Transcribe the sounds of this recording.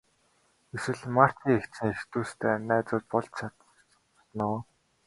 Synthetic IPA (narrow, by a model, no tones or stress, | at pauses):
eswɘ̆ɮmar̥t̪iːŋekt̪t͡sɘ̆ŋext̪uːst̪ʰeːnæːt͡sʊːt̪̚pɔɮt͡ɕt͡ɕʰat̪ | nʊː